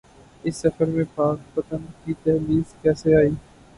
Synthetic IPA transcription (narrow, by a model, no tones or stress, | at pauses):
ɪsːɐfəɾmẽpaːk̚pət̪ə̃nd̪kit̪ɛɦliːskɛːseaːiː